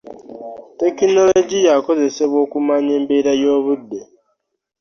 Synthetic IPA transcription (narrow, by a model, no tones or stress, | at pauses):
te̞kino̞lo̞ɟijako̞ze̞se̞βwo̞ːkumaɲe̞ːmbeːɾajo̞ːβudːe